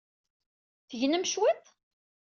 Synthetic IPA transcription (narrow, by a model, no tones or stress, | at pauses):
θəʝnəmʃwit̪ˤ